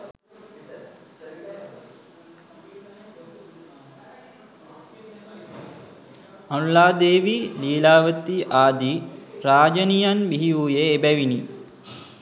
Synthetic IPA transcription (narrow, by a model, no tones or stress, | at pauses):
ɐnlaːd̪eːʋiliːlaːʋət̪iʔaːd̪iɾaːd͡ʒɐnijanbiɦiuːjeːbɛʋini